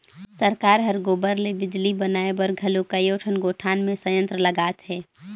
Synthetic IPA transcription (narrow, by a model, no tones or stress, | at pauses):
səɾkaːɾɦɐɾɡoːbəɾlebɪd͡ʒlibɐnaːebɐɾɡʱɐlukɐjoːʈʰənɡoːʈʰaːnmẽsə̃jə̃nt̪ɾəlɐɡaːt̪ɦɛː